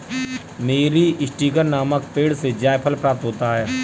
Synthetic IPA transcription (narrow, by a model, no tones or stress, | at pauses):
meːɾiɪsʈiːɡəɾnaːməkpeːɽsed͡ʒaːjpʰəlpɾaːp̚t̪ɦoːt̪aɦɛː